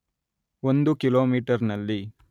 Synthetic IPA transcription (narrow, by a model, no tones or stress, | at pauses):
ond̪ukiloːmiːʈɐɾnɐlːi